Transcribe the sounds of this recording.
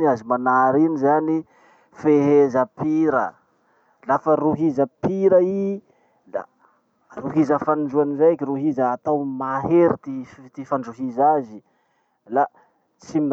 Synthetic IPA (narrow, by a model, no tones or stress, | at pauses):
niazimanaɾinizani | feɦezəpiɾə | lafəɾuɦizəpiɾəi | la̰ | ruɦizəfand͡ʒuanizakiɾuɦizəːt̪awmaɦeɾit̪ift̪ifaɳɖ͡ʐuɦizazi | la | t͡simi